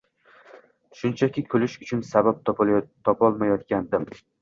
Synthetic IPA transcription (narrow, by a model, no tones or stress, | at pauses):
ʃʊnt͡ʃʰakʲʰɪkʲʰɵlɪʃʊt͡ʃʰʊnsabap̚t̪t̪ʰɒpʰɒlˠmajɒt̪̚kʲand̪ɪm